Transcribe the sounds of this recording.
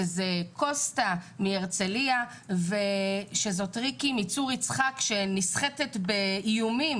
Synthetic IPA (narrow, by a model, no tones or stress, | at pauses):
ezekʰo̞stamieʁt͡selia | veʃezo̞tʁikimit͡suʁit͡sχakʃe̞nisχetetbeijumim